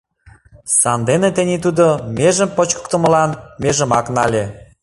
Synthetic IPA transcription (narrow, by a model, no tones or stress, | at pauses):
sɑnd̪enet̪enʲet̪ud̪omeʒəmpot͡ɕkə̥kt̪ə̆mə̆lɑnmeʒə̆mɑknɑlʲe